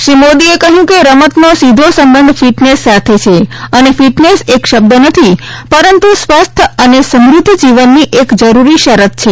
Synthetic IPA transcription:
ʃɾimod̪iekəɦjũkeɾəmət̪nosid̪ʱosəmbənd̪ʱfiʈnesːat̪ʰet͡ʃʰeənefiʈnesekʃəb̚d̪ənət̪ʰipəɾənt̪usʋast̪ʰəənesəmɾʊd̪ʱːd͡ʒiʋənːiʔekd͡ʒəɾuɾiʃəɾət̪̚t͡ʃʰe

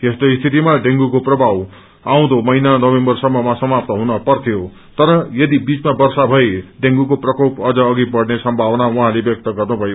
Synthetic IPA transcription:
j̪est̪oist̪ʰit̪imaɖeŋɡukoprʌbʱaw | aw̃d̪omʌinanʌbembʌrsʌmːʌmasʌmap̚t̪ʌɦunʌpʌrt̪ʰijo | t̪ʌɾʌjʌd̪ibit͡smabʌrsabʱʌeɖeŋɡukoprʌkopʌd͡zʌːɡibʌɽnesʌmbʱabʌnawuɦãlebjʌk̚t̪ʌɡʌrnubʱʌjo

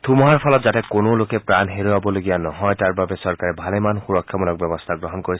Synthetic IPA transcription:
tʰumɔɦaɹpʰɔlɔtzatɛkonolokɛpɹanɦeɹuwabɔloɡijanɔɦɔjtaɹbabɛsɔɹkaɹɛbʱalemanxuɹɔkʰːjɔmɔlɔk̚bjɛbɔst̪ʰaɡɹɔɦɔnkoɹi

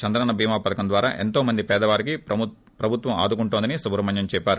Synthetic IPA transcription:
t͡ʃɐnd̪ɾɐnɐbʱiːmaːpɐd̪ɐkɐnd̪ʋaːɾa̰ːʔe̞̰nt̪oːmɐnd̪ipɛːd̪ɐʋaːɾiki | pɾɐbʱut̪ʋɐma̰ːd̪ukuɳʈoːnd̪inisubɾɐmɐɲjɐmt͡ʃɛːpːaːɾu

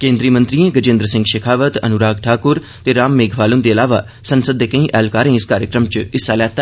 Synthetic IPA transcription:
kẽːnd̪ɾiːmə̃nt̪ɾiːẽɡəd͡ʒɪ̃nd̪ɾəsɪ̃ŋɡʃɐkʰaːʋət̪ɐ̰nʊɾaːɡ̚ʈʰaːkʊɾ | t̪eɾaːmːeːɡʱʋaːlʊnd̪eːɐlaːʋa | sɐ̃nsəd̪ːekɐ̃ĩʔɛːlkaːɾẽːɪskaːɾjəkɾəmt͡ʃɪsalɛːt̪a

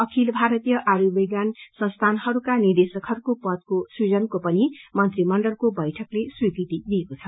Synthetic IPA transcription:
ʌkʰilbʱaɾʌt̪ijʌʔaɾubiɡjansʌ̃ŋst̪ʰanhʌɾukanird̪esʌkhʌɾukopʌd̪̚koswid͡zʌnkopʌnimʌnt̪rimʌɳɖʌlkobʌjʈʰʌkleswikrit̪id̪iekot͡sʰʌ

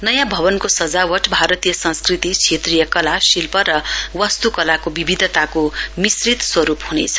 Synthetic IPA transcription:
nʌjãbʱʌbʌnkosʌd͡zawʌʈbʱaɾʌt̪ijʌsʌ̃nskrit̪it͡sʰet̪rijʌkʌlasilpʌɾʌwʌst̪ukʌlakobibʱid̪ʱʌt̪akomisrit̪swʌɾupɦunḛt͡sʰʌ̥

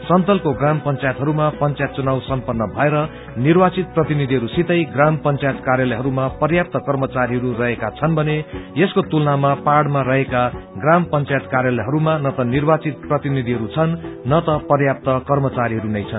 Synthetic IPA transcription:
sʌnt̪ʌlkoɡrampʌnt͡sajet̪ɦʌɾumapʌnt͡sajt̪̚t͡sunawsʌmpʌnːʌbʱʌeɾʌ | nirbat͡sit̪̚prʌt̪inid̪ʱiɦʌɾusit̪ʌjɡrampʌnt͡sajet̪karjalʌjɦʌɾumapʌrjap̚t̪ʌkʌrmʌt͡saɾiɦʌɾurʌɦekat͡sʰʌnbʱʌnejeskot̪ulnamapaɽmarʌɦekaɡrampʌnt͡sajet̪karjalʌɦʌɾumanʌt̪ʌnirbat͡sit̪̚prʌt̪inid̪ʱiɦʌɾut͡sʰʌnːʌt̪ʌpʌrjap̚t̪ʌkʌrmʌt͡saɾiɦʌɾunʌjt͡sʰʌn

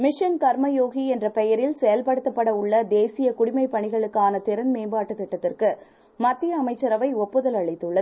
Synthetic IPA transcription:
mɪʂɐnkɐɾmɐjoːɣiɛndrɐpɛjɐɾɪlsɛjɐlpɐɽɯt̪ːɐpːɐɽɐʊɭːɐd̪eːsɪjɐkʊɽɪmɐɪpːɐɳɪɣɐɭɯkːaːnɐt̪ɪɾɐnmeːmbaːʈːɯt̪ːɪʈːɐt̪ːɪrkɯ | mɐt̪ːɪjɐːmɐɪt͡ʃːɐɾɐʋɐɪɔpːɯðɐlɐɭɐɪt̪ːɯɭːɐ

